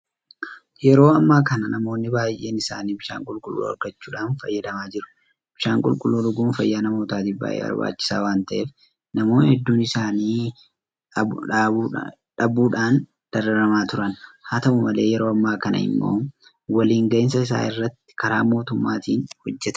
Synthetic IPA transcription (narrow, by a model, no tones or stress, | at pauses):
jɛɾo̞ːɐmːaːkɐnɐnɐmo̞ːnːɪbaːjʔe̞ːnɪsa̰ːniːbɪʃa̰ːŋkʼʊlkʼʊlːṵːɐ̰ɾɡɐt͡ʃːuːᶑaːnfɐjːɐd̪ɐmaːd͡ʒɪɾʊ̥ | b̥ɪʃaːŋkʼʊlkʼʊlːuːlʊɡuːnfɐjːaːnɐmoːt̪aːt̪iːfba̰ːjʔḛːɐ̰ba̰ːt͡ʃːɪ̥sa̰ːwaːnt̪ɐʔe̞ːf | nɐmo̞ːnhɛd̪ːuːnɪsaːniː | ᶑɐbuːᶑaːn | d̪̥ɐɾɐɾɐmaːt̪ʊɾɐnhaːt̪ɐmʊmɐle̞ːjɛɾo̞ːɐmːaːkɐnɐ̰hɪ̰mːo̰ː | wɐliːŋɡɐʔɪnsɐɪsa̰ːɪrːɐt̪ːɪ̥kɐɾaːmo̞ːt̪ʊmːa̰ːt̪iːnhɔd͡ʒːɛt̪ɐ̥